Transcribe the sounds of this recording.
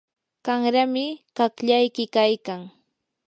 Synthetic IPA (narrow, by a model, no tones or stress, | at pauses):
kaŋɾamɪkakʎajkɪkajkaŋ